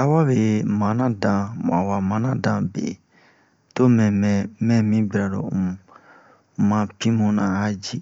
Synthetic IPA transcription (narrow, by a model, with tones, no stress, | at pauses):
a˦wa˦βe˨mã˨˦nã˦dã˨mã̰˨wa˨mã˨˦nã˦dã˨bḛ˨ | to˦mɛ̃˨mɛ̃˨mɛ̃˦mĩ˦bi˨ɾa˨ɾõ̰˨ | mã˨pĩ˦mũ˨nã˨a˦d͡ʒi˦˨